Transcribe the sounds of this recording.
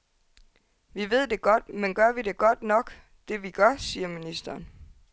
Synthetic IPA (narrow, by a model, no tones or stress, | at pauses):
ʋiʋe̝ð̞̰ˠd̥e̝ɡ̥ɒ̽d̥menɡ̥ɶɐ̰ʋide̝ɡ̥ɒ̽d̥nɒ̽ɡ̥ | d̥e̝ʋiɡ̥ɶɐsiːɐminisd̥ɐːn